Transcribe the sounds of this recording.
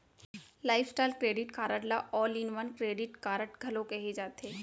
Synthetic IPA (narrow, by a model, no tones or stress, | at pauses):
laːɪfsʈaːlkɾeːɖɪʈkaːɾəʈlaʔɔːlinʋənkɾeːɖɪʈkaːɾəʈɡʱɐlokɛɦed͡ʒaːt̪eː